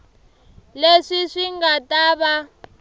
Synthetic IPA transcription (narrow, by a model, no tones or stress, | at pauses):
leʂiʂiŋɡataːβa